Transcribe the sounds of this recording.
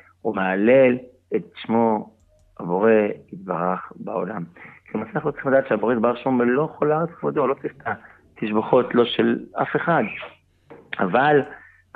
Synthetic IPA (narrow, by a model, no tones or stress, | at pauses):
umeale̞l | etʃmo̞ | abo̞ʁe̞it̪̚baʁaχba̰olamklemasaχnlot͡siimlad̪aːtʃeabo̞ʁeid̪baʁʃombelo̞χolaʁet͡svod̪olo̞tift̪a | t̪iʃbaχo̞tlo̞ʃela̰fe̞χad̪ | a̰val